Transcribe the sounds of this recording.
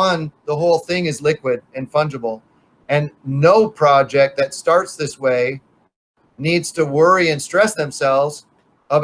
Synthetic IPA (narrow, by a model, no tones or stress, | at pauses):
ʌ̃nðəɦoʊlˠθɪ̃ŋɨzlɪkwɪɾɨ̃nfʌ̃nd͡ʒəbl̩ˠ | ɨ̃nːoʊpʰɹ̥ɑd͡ʒɛk̚t̪̚ðɨtstɑɹtsðɪsweɪ | nidz̥tʰəwɜ˞iɨ̃nstɹ̥ɛsðɨ̃msɛlˠvz | əb